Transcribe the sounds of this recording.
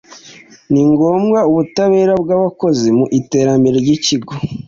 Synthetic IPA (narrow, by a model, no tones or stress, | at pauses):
niŋɡoːmɡauβutaβe̞ːɾabɡaːβako̞zimuʔite̞ːɾambe̞ɾeɾɟiciɡo